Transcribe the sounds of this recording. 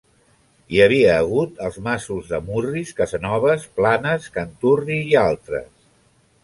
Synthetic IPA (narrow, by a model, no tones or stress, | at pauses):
iəβ̞iəːɣ̞ut̪əlˠzmasuzðəmuriskəzənɔβ̞əsplanəskənt̪uriːalˠt̪ɾə̰s